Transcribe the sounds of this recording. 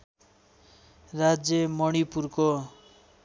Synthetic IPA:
rad͡zjʌmʌɽ̃ipurko

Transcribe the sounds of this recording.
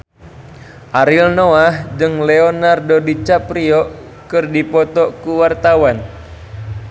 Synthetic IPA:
ʔaɾilnoahd͡ʒɨŋleonardodit͡ʃapɾiɔ | kɨrdipɔt̪ɔkuwart̪awan

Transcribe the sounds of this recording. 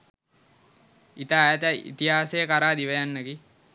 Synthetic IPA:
it̪aːjt̪əḭt̪iɦaːsejəkaɾaːd̪iʋəjanːəɡi

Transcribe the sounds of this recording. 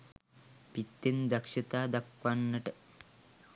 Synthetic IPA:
pit̪ːind̪ɐkʂɐt̪aːd̪ɐkʋanːɐʈɐ

